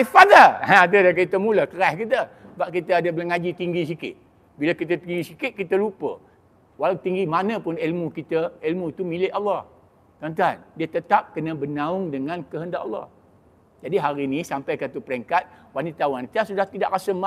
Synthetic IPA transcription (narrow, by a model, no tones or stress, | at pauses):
ifadaadədakit̪əmuləkəɾaskit̪ə | baʔkit̪əadəbələŋad͡ʒit̪iŋɡis̬ikɪ̰t̪̚ | biləkit̪ət̪iŋɡisikɪt̪̚kit̪əlupə̰ | walawt̪iŋɡimanəpʊnilmukit̪əilmut̪umilɪʔɑlːɑh | t̪ənt̪andiət̪ət̪ap̚kənəbənaʊŋdəŋãnkəɦəndaʔɑ̰lːɑ̰h | d͡ʒadiɦaɾinisampajkat̪upəɾɛŋkat̪̚wanit̪awanit̪asudaht̪idaʔɾasəma